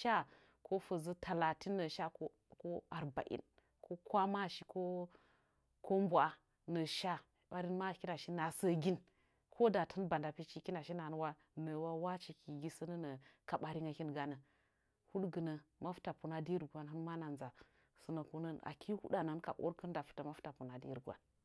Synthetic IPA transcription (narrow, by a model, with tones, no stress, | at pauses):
ʃa˦ | kʰo˦fə˨zə˦tʰa˨la˨ti˦nːə˨ʃa˦k | ko˦a˨ɾba̰˨ʔḭ˦n | kʰo˦kʷa˦ma˦˨ʃi˦ko˦ | kʰo˦m˦bu˨a˨ | nə˨ʃa˦ | ɓa˨˦ɾi˦nma˦kʲi˦na˨ʃi˦na˨sə˦ɡʲi˦n | kʰo˦da˨tʰə˦nba˨nda˨pi˦t͡ʃi˦ki˦na˨ʃi˦na˨n˦wa˦ | nə˨wa˦wa˦t͡ʃi˨ki˨ɡi˦sə˦nə˦nə˨ka˨ɓa˨ɾi˦ŋa˨kʲi˦nɡa˨nə˨ | hu˦ɗɡə˨nə˨ma˦fu̥˦ta˨pu˨na˨di˦ɾɡʷa˦nɦɨ˦nma˦na˨nza˨ | su˨˦na˨ku˦nə˦na̰˨ki˦hṵ˦ɗa˨na˨˦nka̰˨ʔo̰˦ɾkə˦nda˨fu̥˨˦ta˨ma˦fu̥˦ta˨pu˨na˨dḭ˦ɾɡʷa̰˨n